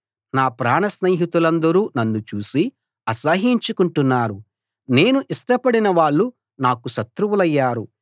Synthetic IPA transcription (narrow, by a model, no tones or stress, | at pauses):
naːpɾaːɳɐsneːɦit̪ulɐnd̪ɐɾuːnɐnːut͡ʃuːsi | ɐsɐɦiɲt͡ʃukuɳʈunːaːɾu | ne̞ːnuʔisʈɐpɐɽinɐʋaːɭːu | naːkuʃɐt̪ɾuʋulɐjːaːɾu